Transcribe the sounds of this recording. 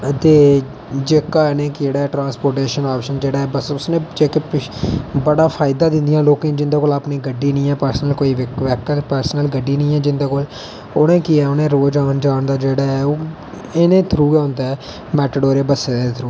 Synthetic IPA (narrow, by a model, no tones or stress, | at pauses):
t̪eː | d͡ʒeːkaːnẽːkɪd͡ʒeːɽaːɛːʈɾãːnspoːɾʈeːʃənaːpʃənd͡ʒeːɽaːɛːbəsʊsnẽːd͡ʒeːkepɪbəɽaːpʰaːɪd̪aːd̪ɪ̃nd̪ɪjãːloːkẽd͡ʒɪnd̪eːkoːlaːpniːɡəɖːiːnĩːɛːpəɾsnəlkoːiːʋʋɛːkːəlpəɾsnəlɡəɖːiːnĩːɛːd͡ʒɪnd̪eːkoːl | onẽːkiɛːʊnẽːɾoːd͡ʒaːnd͡ʒaːnd̪aːd͡ʒeːɽaːɛːoː | eːnẽːt̪ʰɾuːɡɛːʊ̃nd̪aɛː | mɛːʈəɽoːɾeːbəseːd̪et̪ʰɾuː